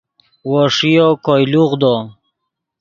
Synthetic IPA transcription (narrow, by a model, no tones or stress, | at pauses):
wɔʂijokɔjluʁd̪ɔ